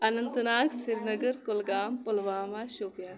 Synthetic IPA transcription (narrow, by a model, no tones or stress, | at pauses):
ɐnɐnt̪naːksɪɾnɐɡəɾkolɡaːmpolʋaːmaːʃoːpjaː